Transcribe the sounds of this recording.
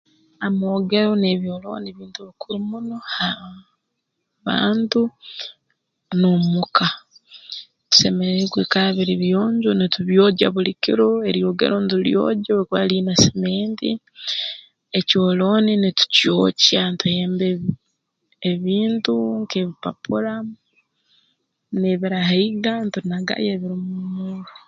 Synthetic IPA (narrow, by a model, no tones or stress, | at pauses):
amoːɡe̞ɾoneβjoːloːneβiːntuβikʰuɾumuno̞ha | βa̰ːntu | nomukʰa | tu̥semeɾeɡwekaaβiɾiβjoːɲɟonituβjoɟaβulikiɾoe̞ɾjoɡḛɾontuljo̰ːɟakaliːnasemeːntḭ | ecoːlo̞ninitu̥cjo̰ːcantujeːmbe | eβiːntuŋkeβipa̰puɾa | neβiɾaɦaiɡantunaɡa̰jeβiɾimumuːɡa